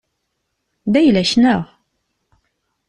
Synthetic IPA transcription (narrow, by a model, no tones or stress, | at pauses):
d̪æjlæʃnəʁ